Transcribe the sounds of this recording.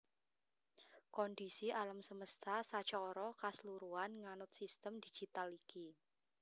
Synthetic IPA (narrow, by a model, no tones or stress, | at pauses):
kɔndisiʔalamsəməst̪ʰasḁt͡ʃɔːɾɔkasluɾuanŋanʊt̪̚sist̪əmd̪̥i̤̥d͡ʒ̥i̤t̪aliki